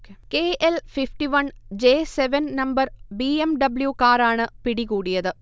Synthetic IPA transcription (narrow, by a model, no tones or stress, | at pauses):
kekeːʔelfifʈiʋɐnd͡ʑeːseʋɐnnɐmbɐrbiːemɖɐbljukaːɾaːɳɨpiɽikuːɽijɐðɨ